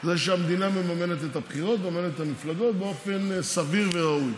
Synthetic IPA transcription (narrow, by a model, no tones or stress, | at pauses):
zeʃeamd̪iname̞mame̞ne̞t̪et̪apχiʁo̞t̪memame̞netthamiflaɡo̞t̪̚beo̞fe̞nsaviʁveʁauj